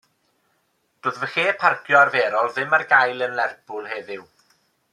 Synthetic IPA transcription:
d̥oːðvəχeːpʰarɡjɔarveːɾɔlˠðɪmarɡajlˠənlɛrbʊlˠɦeːðɪw

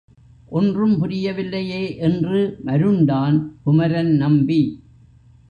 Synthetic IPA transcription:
ʔɔndrɯmpʊɾɪjɐʋɪlːɐjeːʔɛndrɯmɐɾɯɳɖaːnpʊmɐɾɐnnɐmbi

